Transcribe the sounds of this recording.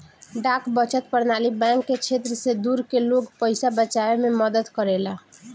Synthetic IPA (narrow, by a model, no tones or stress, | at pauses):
ɖaːkbət͡ʃət̪̚pəɾnaːlibɛ̃ːŋkːet͡ʃʰeːt̪ɾəsed̪uɾkeloːɡpəɪsabət͡ʃaemẽməd̪əd̪kəɾela